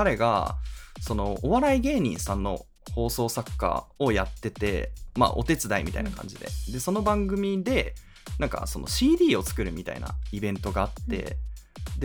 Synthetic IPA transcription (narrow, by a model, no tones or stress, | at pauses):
aɾe̞ɡa̰so̞no̞oβaɾaiɡe̞ːɲ̟ḭ̃ɰ̃sãnːo̞̰ | ho̞ːso̞ːsakːa̰o̞jat̪ːe̞t̪e̞̰ma̰ːʔo̞t̪e̞t͡sɨd̪aimʲit̪a̰inakʰã̰ɲd͡ʑid̪e̞̰d̪e̞so̞no̞bãŋɡɯ̟mʲid̪e̞ | nãŋka̰so̞no̞̰ɕiːd̪ʲiːo̞t͡sɨ̥kɯ̟ɾɯ̟mʲit̪a̰ḭna̰ibẽ̞nt̪o̞ɡaːt̪ːe̞̰d̪